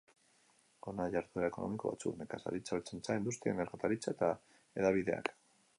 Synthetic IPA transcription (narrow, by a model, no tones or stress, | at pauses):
onaʝaɾt̪ueɾaeko̞no̞̰miko̞βa̰t͡suknekasa̰ɾit͡salt͡sent͡saind̪ust̪ia̰neɾɣat̪aɾit͡saet̪a | e̞ðaβiðe̞a̰k